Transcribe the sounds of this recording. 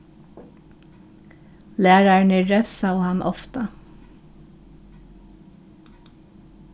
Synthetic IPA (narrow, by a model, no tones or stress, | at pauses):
læːɹɑɹɳɪɹɛfsɑwhɑnʔɔ̰ft̪ɑ